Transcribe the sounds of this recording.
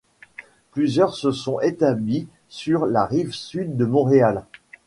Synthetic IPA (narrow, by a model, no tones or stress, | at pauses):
plyzjœʁsəsɔ̃et̪abli | syʁlaʁivsyd̪ːəmɔ̃ʁeal